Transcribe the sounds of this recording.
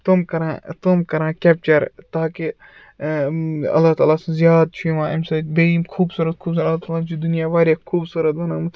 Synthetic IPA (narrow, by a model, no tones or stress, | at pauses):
t̪ʊmkɐɾãːt̪omkɐɾãːkɛːp̚t͡ʃɐɾt̪aːki | ɐ̰lːaːɦt̪aːlaːszjaːd̪̚t͡ʃʰumãːɐmsɐbeimkʰuːbsuːɾɐt̪̚kʰuːbs̬uɾɐlːaːt̪aːlaːnt͡ʃid̪unijaːʋaːɾjekʰuːbsuːɾɐt̪̚bɐnãːm